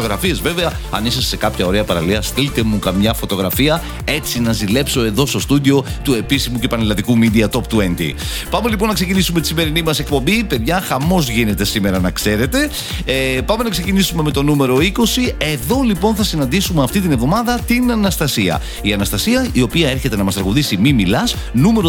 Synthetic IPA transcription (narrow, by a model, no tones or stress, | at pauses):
oɣɾɐfie̞zve̞veɐ | ɐ̰nisɐsːe̞kɐpçɐo̞ɾe̞ɐpɐɾɐ̰liɐst̪ilt̪e̞mukɐmɲɐfo̞t̪o̞ɣɾɐfiɐ | e̞t͡sinɐzile̞pso̞e̞ðo̞st̪o̞st̪ud̪io̞t̪ue̞pisimuce̞pɐnelɐt̪ikumid̪iɐt̪o̞p̚t̪uend̪ḭ | pɐme̞lip̬o̞nːɐkse̞cinisume̞t̪i̥sime̞ɾinimɐse̞kpo̞mbipe̞ðʝɐxɐmo̞zʝine̞t̪e̞sime̞ɾɐnɐkse̞ɾe̞t̪e̞ | pɐme̞nɐkse̞cinisume̞me̞t̪o̞nume̞ɾo̞iko̞sie̞ðo̞lipo̞nθɐsinɐnd̪isumeɐft̪it̪inevðo̞mɐðɐt̪inɐnɐst̪ɐsiɐ̰ | iɐnɐst̪ɐsiɐio̞piɐe̞ɾçe̞t̪e̞nɐmɐst̪ɾɐɣuðisimimilɐs | nume̞ɾo